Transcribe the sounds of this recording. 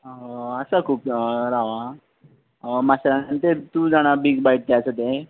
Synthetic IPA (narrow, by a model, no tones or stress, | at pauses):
əsakʰuːpɾaʋa | masɾanənt̪et̪ud͡zaɽ̃abiɡbaiʈ̚t̪eəsət̪e